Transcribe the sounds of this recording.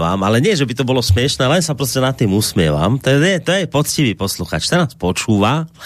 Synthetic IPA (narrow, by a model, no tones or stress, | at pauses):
ʋaːmalɛɲɪɛʒɛbit̪ɔbɔlɔsmɪɛʃnɛːlɛnsapɾɔscɛnat̪ːiːmusmɪɛʋa̰mt̪ɔɛt̪ɔjɛpɔt͡sciʋiːpɔsluxa̰ːt͡ʃt̪anaːspɔt͡ʃuːʋa